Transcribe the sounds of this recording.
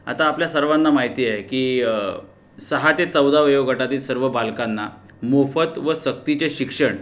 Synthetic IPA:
a̰t̪aːpljasəɾʋanːamaɦit̪iːekiː | səɦat̪et͡səwd̪aʋjoʋɡʱəʈat̪iːlsəɾʋəbalkanːa | mofət̪ʋəsək̚t̪it͡ɕeɕikʂəɳ

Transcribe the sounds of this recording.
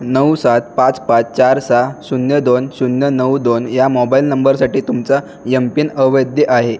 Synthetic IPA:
nəwsat̪̚pãt͡spãt͡st͡ɕaɾsasunjəd̪onsunjənəwd̪onjamɔbailnəmbəɾsaʈiːt̪umt͡sa | jəmpiːnəʋəjd̪jəʔaɦe

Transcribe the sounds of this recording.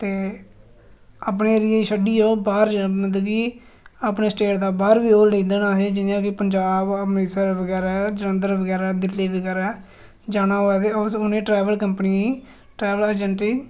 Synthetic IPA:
t̪eː | aːpneːɾɪjeʃəɖiːoːbaːɾd͡ʒəməd̪əɡi | aːpneːsʈeːʈd̪aːbaːɾbiːoːlẽːd̪ənaːɦeːd͡ʒɪjãːkɪpəɲd͡ʒaːbəneːsaɾbəɡɛːɾaːd͡ʒəɾə̃ːnd̪əɾbəɡɛːɾaːd̪ɪlːeːbəɡɛːɾaː | d͡ʒaːnaːɦoːɛːt̪eːoʊnẽːʈɾɛːʋəlkəmpniːiː | ʈɾɛːʋələd͡ʒəɳʈiː

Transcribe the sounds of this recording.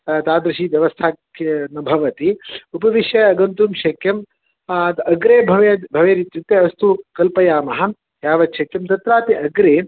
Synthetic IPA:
t̪aːd̪ɾɐʃiːʋjɐʋɐst̪ʰaːknɐbʱɐʋɐt̪iupɐʋiʃjɐɐɡɐnt̪uːmʃɐkjɐm | t̪ɐɡɾeːbʱɐʋebʱɐʋeːɾit̪jut̪ːeɐst̪ukɐlpɐjaːmɐɦɐ | jaːʋɐt̪ʃɐkjɐmt̪ɐt̪ɾaːt̪iʔɐɡɾeː

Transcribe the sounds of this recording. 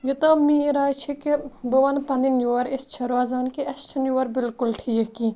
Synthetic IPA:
jut̪ɐmiɾaːjt͡ʃʰikibɐʋɐnpɐninjuɐɾɪst͡ʃʰɐɾwaːzaːnkiɐst͡ʃʰɐnjuwɐɾbɪlkʊlʈʰiːki

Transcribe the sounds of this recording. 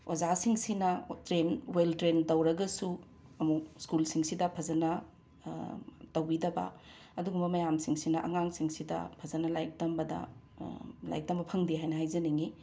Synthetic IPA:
ozasiŋsinɐtɾenweltɾentɐwɾɐɡɐsu | ɐmuk̚skulsiŋsidɐpʰɐzɐnɐ | tɐwbidɐbɐ̰ | ɐduɡumbɐmɐjamsiŋsinɐʔɐŋaŋsiŋsidɐ̰pʰɐzɐnɐlajk̚tɐmbɐdɐ̰ | la̰jk̚tɐmbɐpʰɐŋdiɦajnɐhajzɐniŋi

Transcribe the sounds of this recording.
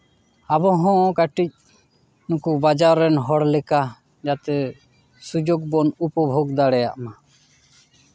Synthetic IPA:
abɔɦɔ̃kaʈic̚ | nũkubad͡ʒaɾːɛnɦɔɽlɛka | d͡ʒat̪ɛ | sud͡ʒoɡbɔnupɔbʱoɡd̪aɽɛja̰ʔma

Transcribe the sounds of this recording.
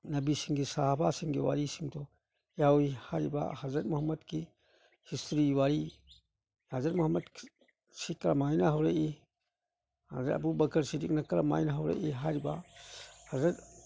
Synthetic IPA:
nɐbisiŋɡisahabasiŋɡiwa̰ɾisiŋtɔ | jawihaɾiba̰hazɾɐɾ̚muhɐmːɐdki | histʰɾiwaɾi | hazɐɾmuhɐmɐd | sikɾamajnaɦawɾaʔi | ha̰zɾa̰ɐ̰bubɐkʰɐɾsidik̚nakɐɾama̰jnaɦawɾa̰ʔiɦaɾiba̰ | hazɐɾ

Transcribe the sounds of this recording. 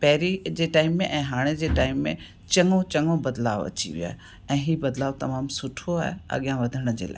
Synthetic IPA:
pɛɦɾid͡ʑeːʈaːɪmːẽʔɛ̃ːɦaːɽ̃ed͡ʑeːʈaːɪmːẽ | t͡ɕɐ̃ŋõt͡ɕɐŋɡõbɐd̪laːʋɐ̰t͡ɕḭʋija̰ːɦe | ɛ̃ːɦiːbɐd̪laːʋt̪ɐmaːmsʊʈʰoaːɦeɐ̰ɠijãʋɐd̪ʱəɽ̃d͡ʑḛːla̰ː

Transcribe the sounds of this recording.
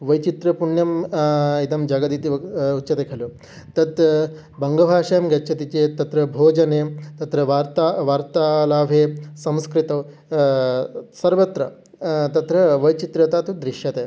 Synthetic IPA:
ʋɐjt͡ʃit̪ɾɐpuɳjɐmit̪ɐmd͡ʒaːɡɐd̪iːt̪iɐut̪ːt͡ʃʰɐt̪eːkʰɐljoː | t̪ɐt̪ | bɐŋɡɐbʱaːʂɐjɐmɡɐt͡ʃʰɐt̪it͡ʃeːt̪ɐt̪ɾɐbʱoːd͡ʒɐneːt̪ɐt̪ɾɐʋaːɾt̪aʋaːɾt̪aːlaːʋʱeːsɐ̃mskɾit̪ɐ | sɐɾʋɐt̪ɾɐ | t̪ɐt̪ɾɐʋɐjt͡ʃit̪ɾɐt̪aːt̪ud̪ɾiʂjɐt̪eː

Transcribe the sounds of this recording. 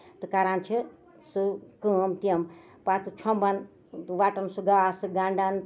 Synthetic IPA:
t̪ɨkaːɾaːnt͡ʃʰi | sɨkəmt̪ijɐm | pat̪ɨt͡ʃʰombɐn | ʋaːʈɐmsuɡaːsɨɡaːɳɖan

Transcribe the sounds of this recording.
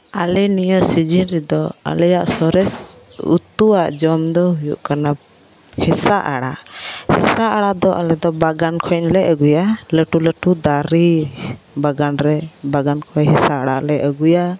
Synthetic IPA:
alɛnijɔsid͡ʒinɾɛd̪ɔa̰lɛjaʔsɔɾɛsṵt̪uwaʔd͡ʒɔmd̪ɔɦujṵʔkana | hɛsaʔa̰ɽaʔhɛsaʔaɽad̪ɔʔalɛd̪ɔbaɡankʰɔnlɛəɡujaləʈuləʈud̪aɾi | baɡanɾɛbaɡankʰɔjɦɛsaaɽaʔlɛəɡuja

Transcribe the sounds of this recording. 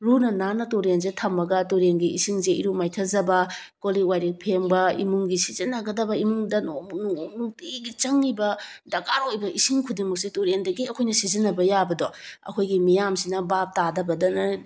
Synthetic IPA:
ɾunɐnanɐtoɾenzetʰɐmːɐɡɐtoɾenɡiḭsiŋzeḭɾumajtʰɐzɐbɐkoliwajɾik̚pʰembɐḭmuŋɡisizinːaɡɐdɐbɐimuŋdɐnonuŋonuŋtiɡit͡ʃɐŋːibɐdɐkaɾojbɐʔisiŋkʰudiŋmɐk̚setoɾendɐɡiɐkʰojnɐsizinːɐbɐjabɐdɔɐ̰kʰojɡimijamsinɐbap̚tadɐbɐdɐnɐ

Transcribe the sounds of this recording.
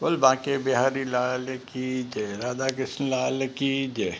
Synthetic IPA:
bolbãːkebɪɦaːɾilaːlkid͡ʒeɾaːd̪ak̬ɪsnlaːlkid͡ʒe

